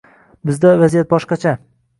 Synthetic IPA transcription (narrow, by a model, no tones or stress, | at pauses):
bɪzd̪avazijat̪̚bɒʃqɑt͡ʃʰa